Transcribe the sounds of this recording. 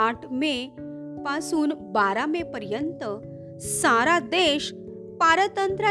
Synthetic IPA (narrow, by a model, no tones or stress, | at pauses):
aʈʰme | pasuːnbaɾamepəɾjənt̪ə | saɾad̪eɕ | paɾət̪ənt̪ɾə